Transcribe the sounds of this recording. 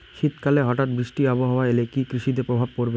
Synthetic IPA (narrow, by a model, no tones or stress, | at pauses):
ʃit̪kaleɦɔʈat̪bɾiʃʈiaboɦawaelekikɾiʃid̪epɾobʱab̚koɾbe